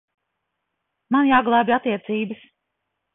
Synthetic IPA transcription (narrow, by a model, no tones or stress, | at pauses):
manjaːɡlˠaːbʲiat̪ːiɛt̪siːbəs